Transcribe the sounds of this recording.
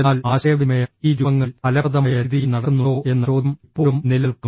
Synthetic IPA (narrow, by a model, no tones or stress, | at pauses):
aːlaːɕɐjɐʋimɐjɐiːɾuɐŋːɐlɐlɐɐðɐmɐjɐɐðijnɐɽɐnːuoːe̞nːɐoːd̪ʱmipːoːumnilɐlku